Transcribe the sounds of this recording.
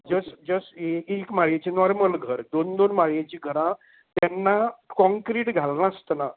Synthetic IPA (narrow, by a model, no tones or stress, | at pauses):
d͡zəsd͡zəseekmaɭjet͡ɕenɔɾməlɡʱəɾd̪ond̪onmaɭjat͡ɕiɡʱəɾã | t̪jɛnːakɔ̃ŋkɾiʈɡʱalnast̪na